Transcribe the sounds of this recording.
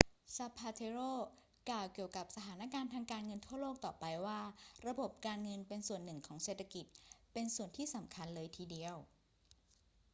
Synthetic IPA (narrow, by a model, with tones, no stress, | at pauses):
sa˧pʰːaː˧t̪ʰe˧ɾoː˥˩ | klaː˨˩wki˨˩əwka˨˩p̚sa˧t̪ʰaː˩˦naː˦˧˥kaː˧nt̪ʰaː˧ŋkaː˧nŋɤ˧nt̪ʰu˥˩ɐloː˥˩k̚t̪ɔː˨˩pa˧jwaː˥˩ɾa˧bo˨˩p̚kaː˧nŋɤ˧npe˧nsu˨˩ənːɯ˨˩ŋkʰɔː˩˦ŋse˨˩t̪ʰːa˧ki˨˩t̪̚pe˧nsu˨˩ənt̪ʰiː˥˩sa˩˦mkʰa˧nlɤː˧jt̪ʰiː˧di˧əw